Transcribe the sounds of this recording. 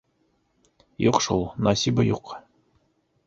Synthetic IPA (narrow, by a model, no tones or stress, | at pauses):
juqʃṵlˠnɑsʲibəjuq